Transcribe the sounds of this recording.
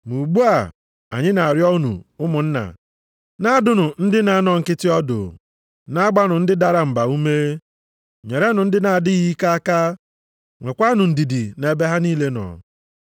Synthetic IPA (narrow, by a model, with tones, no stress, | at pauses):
mu˨ɡ͡bu˦a˨ | a̰˨ɲɪ˦na˨ɾjɔ˦nṵ˨ʊ˦mʊ˨n̩˦na̰˨ | na˦˨dʊ˦nʊ˨n̩˦dɪ˦na˨˦˨nɔ˨ŋ̩˨kɪ˦tɪ˦ɔ˦do̰˨ | na˦a˦ɡ͡ba˦nʊ˨n̩˦dɪ˦da˨ɾa˨m̩˨ba˨u˦me˦ | ɲe˨ɾe˦nʊ˨n̩˦dɪ˦na˨dɪ˦ɣi˦ka˦a˦ka˦ | ŋʷe˨kʷa˦nʊ˨n̩˨di˨di˨ne˨be˦ɦa˦niː˦le˦nɔ̰˨